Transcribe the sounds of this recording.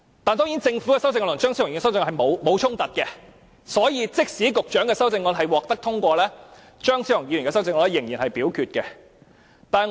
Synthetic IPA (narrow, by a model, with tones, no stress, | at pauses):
t̪aː˨˧nt̪ɔː˥ŋiː˨˥nt͡sɪ˧ŋfu˨˥kɛ˧sɐ˥wt͡sɪ˧ŋɔ˧lʊ˨˩nt͡ʃœː˥ŋsi˨˥ʊ˨˩˨swt͡sɪ˧ŋɔː˧nɦɐ˨jmo˨˧wmo˨˧wt͡ʃʰʊ˥ŋt̪ɐ˨t̚kɛ˧ | sɔː˨˥jiː˨˧t͡sɪ˥k̚siː˨˥kʊ˨k̚t͡ʃœː˨˥ŋkɛː˧sɐ˥wt͡sɪ˧ŋɔː˧nɦɐ˨jwɔː˨k̚t̪ɐ˥k̚t̪ʰʊ˥ŋkʷɔː˧lɛː˥ | t͡ʃœː˥ŋsiː˨˥jŋjiː˨˧jy˨˩ŋkɛː˧sɐ˥wt͡sɪ˧ŋɔː˧nlɛ˥jɪ˨˩ŋjiː˨˩nhɐ˨jpiː˨˥wkʰyː˧t̚kɛ˧ | t̪aː˨